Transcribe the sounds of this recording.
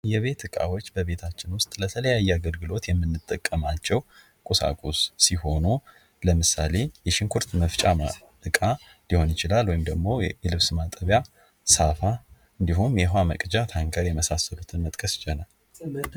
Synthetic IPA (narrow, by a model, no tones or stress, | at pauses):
jɛβe̞t̪ɨkʼa̰wo̞t͡ʃːbəβe̞t̪ʰat͡ʃːɪnwʊst̪ʼlət̪ʰələjajːɛaɡəlɡɨlo̞t̪jɛmːɨnːɨt̪ʼːəkʼːəmat͡ʃːɛw | kʼusa̰kʼusːiho̞nu | ləmɨsale̞jɛʃɪŋkʰuɾt̪məft͡ʃʼa | ɨkʼa | liho̞njɪt͡ʃɪlalwɔjimd̪əɡmo̞jɛlɨβsmat̪ʼəβja | safa | ɨnd̪iɦumjɛɦwaməkʼd͡ʒat̪ʰaŋkʰəɾjɛməsasːəlut̪ʰɨnmət̪ʼkʼəsɪt͡ʃʼɛnal